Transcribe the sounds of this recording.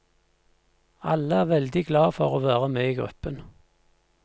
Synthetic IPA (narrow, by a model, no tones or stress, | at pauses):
ɑləæːʁʋɛld̪ɪɡlɑːfɔʁoːʋæːʁəmeːiːɡʁʉ̰pən